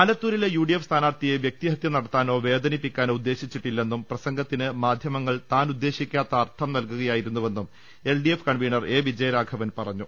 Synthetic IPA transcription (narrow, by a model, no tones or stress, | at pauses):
aːlɐt̪ːuːɾilejuːɖijefst̪ʰaːnaːrt̪ijeʋjek̚t̪iɦɐt̪jɐnɐɽɐt̪ːaːno̞ːʋe̞ːd̪ɐnipːikʲːaːnoːud̪ːe̞ːɕit͡ɕːiʈːilːe̞nːumprɐsɐŋɡʱɐt̪ːinɨmaːd̪ʱjɐmɐŋːɐɭt̪aːnud̪ːe̞ːɕikʲːaːt̪ːɐːrt̪ʰɐmnɐlkuɣɐjaːjiɾunːuʋe̞nːum | e̞lɖijefkɐɳʋiːɳɐre̞ːʋid͡ʑɐjɐɾaːɡʰɐʋɐnpɐrɐɲːu